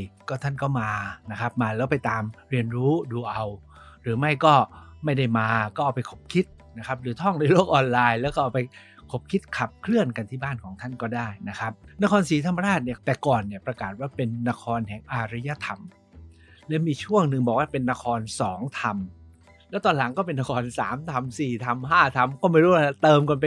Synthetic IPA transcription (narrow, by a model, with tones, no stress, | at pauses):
kɔː˥˩t̪ʰa˥˩nkɔː˥˩maː˧na˦˥kʰa˦˥p̚maː˧lɛː˦˥wpa˧jt̪aː˧mɾi˧ənɾuː˦˥duː˧ʔa˧w | ɾɯː˩˦ma˥˩jkɔː˥˩ma˥˩jda˥˩jmaː˧kɔː˥˩ʔa˨˩wpa˧jkʰo̥˨˩˦p̚kʰi˦˥t̪̚na˦˥kʰa˦˥p̚ɾɯː˩˦t̪ʰɔ˥˩ŋnɯː˧˦loː˥˩k̚ʔɔː˧nlaː˧jlɛ˦˥wkɔː˥˩ʔːwpa˧j | kʰo˨˩p̚kʰi˦˥t̪̚kʰa˨˩p̚kʰlɯ˥˩ənka˧nt̪ʰiː˥˩baː˥˩nkʰɔː˩˦ŋt̪ʰa˥˩nkɔː˥˩daː˥˩jna˦˥kʰɾa˦˥p̚na˦˥kʰɔː˧nsiː˨˩t̪ʰa˧mːa˧ɾaː˥˩t̪̚ni˧˩t̪ɛː˨˩kɔː˨˩nːi˧˩ɐpɾa˧kaː˨˩t̪̚waː˥˩pe˧nːa˦˧˥kʰɔː˧nɦɛː˨˩ŋʔaː˧ɾi˦˥ja˧˥t̪ʰa˧m | lɛ˦˥miː˧t͡ɕʰu˥˩əŋnɯ˨˩ŋbɔː˨˩k̚waː˥˩pe˧nːa˦˥kʰɔː˧nsɔː˩˦ŋt̪ʰa˧m | lɛː˦˥wt̪ɔː˧nla˩˦ŋkɔː˥˩pe˧nːa˦˥˩kʰɔː˧nsaː˩˦mt̪ʰa˧msiː˨˩t̪ʰa˧mɦaː˥˩t̪ʰa˧mkɔː˥˩ma˥˩jɾuː˦˥wa˥˩˥t̪ɤː˧mkɔ˧npe˧